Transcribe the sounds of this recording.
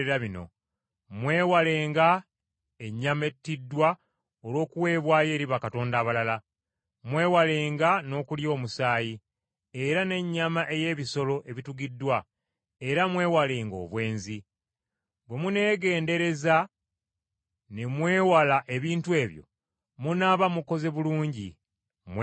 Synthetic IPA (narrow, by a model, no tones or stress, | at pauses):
eɾaβino̞̰ | mwe̞ːwale̞ːŋɡa | eɲːame̞tːidːwa | olwo̞ːkuwe̞ːβwaːje̞ːɾiβakato̞ːndaːβalala | mwe̞ːwale̞ːŋɡano̞ːkuljo̞ːmusaːji | e̞ɾane̞ɲːamaʔe̞je̞ːβiso̞lo̞ʔe̞βituɡidːwa | e̞ɾamwe̞ːwale̞ːŋɡo̞̰ːβwe̞ːnzi | bwe̞mune̞ːɡe̞ːnde̞ɾe̞za | ne̞mwe̞ːwalaʔe̞βiːntue̞ːβjo̞̰ | munaβamuko̞ze̞βuluːɲɟḭ | m